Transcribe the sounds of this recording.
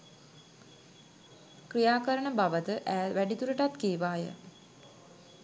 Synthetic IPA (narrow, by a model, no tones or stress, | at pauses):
krijaːkəɾəɳəbaʋət̪əʔæːʋæɖit̪uɾəʈat̪keːʋaːjə̰